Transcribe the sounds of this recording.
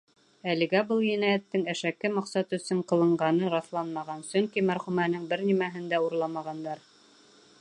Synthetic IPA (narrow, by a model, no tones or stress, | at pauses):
ælɘ̆ɡæbɤlˠjɘ̆næjæt̪ːɘŋæʃækɘmɑqsɑt̪ɵ̆sɵɴqɤ̆lˠɤ̆ɴɢɑnɤɾɑθlˠɑnmɑʁɑnsɵŋkimæɾχumænɘŋbɘɾnimæɦɘ̆nd̪æuɾlˠɑmɑʁɑnd̪ɑɾ